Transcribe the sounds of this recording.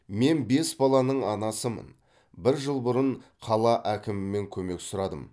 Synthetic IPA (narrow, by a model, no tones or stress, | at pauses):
me̞nbe̞sbɑlˠɑnəɴɑnɑsəmə̰n | bɪɾʒəlˠbʊɾəɴqʰɑlˠɑʔækʲɪmɪːe̞ŋkʲʰɵme̞ksʊɾɑd̪əm